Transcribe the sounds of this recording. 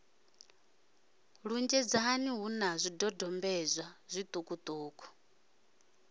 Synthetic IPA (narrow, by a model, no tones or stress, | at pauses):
ɺund͡ʒɛd͡zaɦːniɦunazʷidɔdɔmbɛzʷazʷit̪ʼukʼut̪ʼuːkʼɔ̥